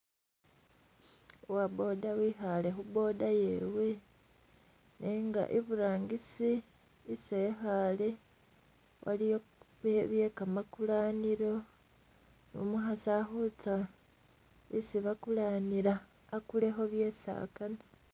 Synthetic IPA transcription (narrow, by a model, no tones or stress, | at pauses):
wabo̞ːdawixale̞xubo̞ːdaje̞we̞ | neːŋɡa̰ʔiβuɾaːŋɡisiː | se̞ːxale̞ | wʔa̰lio | βeβje̞ːkamakulaːniɾo̞ | no̰muxasaxut͡sa | isiβakulaːniɾaː | kule̞xo̞βje̞ːsa̰ːkana